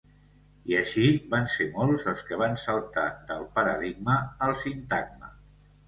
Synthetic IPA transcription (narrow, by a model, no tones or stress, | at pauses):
iəʃiβansemolˠzəlˠskəβ̞ansəlˠt̪a̰d̪əlˠpəɾəðiɡ̚məːlˠsint̪aɡ̚mə̰